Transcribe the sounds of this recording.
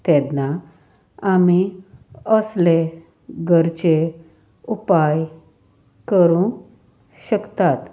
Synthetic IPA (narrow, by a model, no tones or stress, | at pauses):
t̪ɛd̪na | ami | əsle | ɡʱəɾt͡ɕe | upaj | kəɾũ | ɕəkt̪at̪